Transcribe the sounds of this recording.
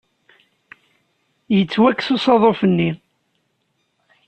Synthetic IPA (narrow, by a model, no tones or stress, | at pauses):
jət͡sːwækːsosɑðˤofənːi